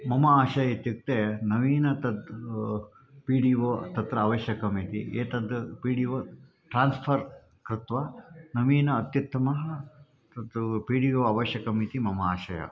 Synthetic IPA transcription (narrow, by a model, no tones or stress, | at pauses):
mɐmɐaːʃɐjɐit̪jik̚t̪enɐʋiːnɐt̪ɐd̪ | piːɽiʋot̪ɐt̪ɾɐːʋɐʃjɐkɐmiːt̪iʔeːt̪ɐd̪piːɽiʋɐ | ʈɾaːnspʰɐɾ | kɾɪt̪ʋɐnɐʋiːnɐːt̪jɐt̪ːɐmɐɦɐ | t̪ɐd̪piːɽiʋoɐʋɐʃjɐkɐmit̪imɐmɐaːʃɐjɐ̰